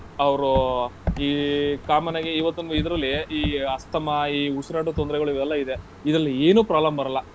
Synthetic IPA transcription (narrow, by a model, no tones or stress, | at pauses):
ɐʋɾuiːkaːmɐnaːɡeiʋɐt̪ːunid̪ɐɾɐlːiiːɐst̪ɐmɐiːusuɾaːʈut̪ond̪ɾɛɡɐɭuiʋɛlːɐid̪e̞ | id̪ɾɐlːieːnuːpɾaːlɐmbɐɾɐlːɐ